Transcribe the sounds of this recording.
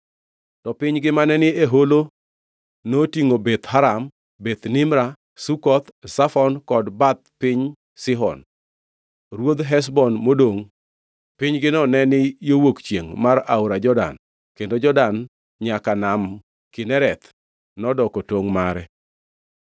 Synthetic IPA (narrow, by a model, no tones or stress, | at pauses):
tɔpɪɲɡɪmanɛnɪeɦolo | notiŋobet̪ɦaɾam | bet̪nɪmɾa | sukɔt̪safɔnkɔdbat̪̚pɪɲ | sɪɦɔ̰n | ɾwod̪ɦɛs̬bɔnmodoŋ | pɪɲɡɪnɔnɛnɪjowokt͡ʃjeŋmaɾaʊɾad͡ʒɔda̰n | kendod͡ʒɔdan | ɲakanam | kɪnɛɾɛt̪ | nɔdɔkɔtoŋmaɾɛ